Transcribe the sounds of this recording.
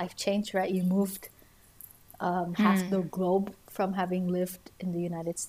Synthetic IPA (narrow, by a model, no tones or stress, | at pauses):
aɪft͡ʃʰẽɪ̃nd͡ʒdɹaɪʔjɨmuvd̥ | ʌ̃mhæfðəɡloʊbfɹʌ̃mɦævɪ̃ŋlɪvdɨ̃nðɨjʉnaɪɾɨd̥s